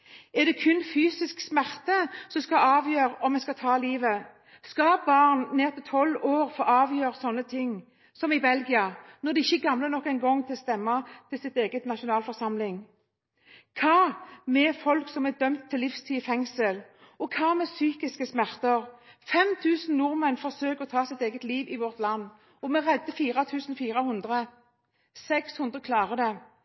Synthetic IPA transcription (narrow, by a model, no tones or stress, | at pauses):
ɛʁd̪ɛkʰʉnːfyːsɪsksmæʁt̪əsɔmskɑɑːʋjøːʁɔmːɛnskɑt̪ʰɑːliːʋə | skɑbɑːʁnneːʁt̪ʰɪlt̪ʰɔloːʁfoːʔɑːʋjøːʁsɔnːət̪ʰɪŋː | sɔmɪbɛlɡɪɑnɔʁd̪ɛɪçːəɡɑmlənɔkːɛɪnɡɔŋt̪ʰɪlst̪ɛmːɑt̪ʰɪlsɪt̪eːɡət̪nɑʃʊnɑːlfɔʁsɑmlɪŋ | kʰɑːmɛfɔlksɔmɛd̪œmt̪ʰːɪlːɪfst̪ʰiːfɛŋsəl | ɔkʰɑːmɛsyːkɪskəsmæʁt̪əʁfɛmt̪ʰʉːsn̩nʊʁmənfɔʁsøːkɔt̪ʰɑːsɪt̪eːɡət̪liːʋɪʋɔʁt̪lɑnː | ɔmɛʁɛd̪ːəfiːɾɑt̪ʰʉːsn̩fiːɾəhʉnd̪ʁə | sɛkshʉnd̪ʁəkʰlɑːʁəd̪ɛ